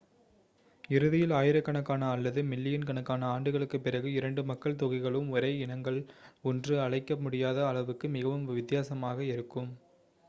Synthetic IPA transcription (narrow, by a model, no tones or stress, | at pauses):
ɪɾɯðɪjɪlaːjɪɾɐkːɐɳɐkːaːnɐːlːɐðɯmɪlːɪjɪnkɐɳɐkːaːnɐaːɳɖɯɣɐɭɯkːɯpːɪrɐɣɯɪɾɐɳɖɯmɐkːɐɭt̪ɔɣɐɪɣɐɭɯmɔɾeːɪɳɐŋɡɐɭɔndrɯɐɭɐɪkːɐmʊɽɪjaːðɐːɭɐʋɯkːɯmɪɣɐʋɯmʋɪt̪ːɪjaːsɐmaːɣɐɪɾɯkːɯm